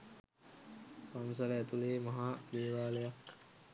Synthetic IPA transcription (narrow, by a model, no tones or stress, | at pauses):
kams̬ɐləæt̪uleːmaɦaːd̪eːʋaːlejak